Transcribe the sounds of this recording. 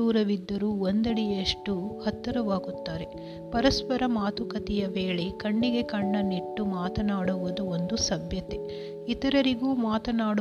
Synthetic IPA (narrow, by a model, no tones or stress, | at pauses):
uːɾɐʋid̪ːɐɾuond̪ɐɽijeʂʈuhɐt̪ːɐɾɐʋaːɡut̪ːaːɾe̞ | pɐɾɐspɐɾɐmaːt̪ukɐt̪ijɐʋeːɭekɐɳːiɡe̞kɐɳːɐniʈːumaːt̪ɐnaːɽuʋud̪uond̪usɐbʱjɐt̪e̞ | it̪ɐɾɐɾiɡuːmaːt̪ɐnaːɽu